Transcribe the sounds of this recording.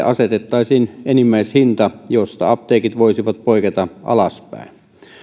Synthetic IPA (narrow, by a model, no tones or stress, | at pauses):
ʔɑset̪et̪ːɑˑisiːnenimːæˑishint̪ɑjost̪ɑ̰ɑp̚t̪eːkit̪ʋoˑisiʋɑt̪̚poˑiket̪ɑʔɑ̰lɑspæ̰ˑen